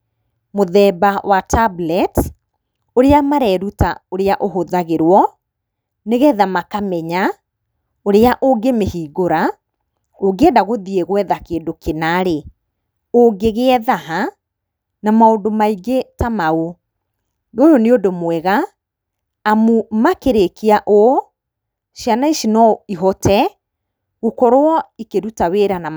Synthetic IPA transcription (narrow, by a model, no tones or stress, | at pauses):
moðɛːbawatablɛt | oɾeamaɾɛːɾutaoɾeaʔoɦoðaɣeɾwɔ | neɣɛðamakamɛɲa | oɾeaʔoɡemehiːɡoɾa | oɡeɛdaɣoðieɣwɛðakeːndokenaɾe | oɡeɣeɛðaɦa | namaondomaiɡetamao | ɣojoneodomwɛɣaː | mumakeɾekiaʔo | ʃianaiʃinɔiɦɔtɛ | ɣokɔɾoɔikeɾutaweɾana